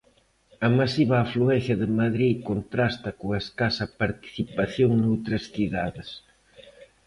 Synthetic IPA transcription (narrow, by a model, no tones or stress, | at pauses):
ɐmasiβɐːfluɛnθjɐðɪmaðɾikont̪ɾast̪ɐkoeskasɐpaɾt̪i̥θipaθjoŋnowt̪ɾɐsθiðaðɪs